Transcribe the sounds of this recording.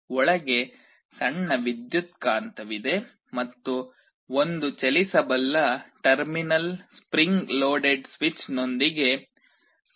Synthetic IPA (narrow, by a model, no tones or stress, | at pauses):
ɔɭɐɡe̞ | sɐɳːɐʋid̪jut̪kaːnt̪ɐʋid̪e̞ | mɐt̪ːu | ond̪ut͡ʃelisɐbɐlːɐʈɐɾminɐlspɾiŋɡloːɖeɖsʋit͡ʃno̞nd̪iɡe̞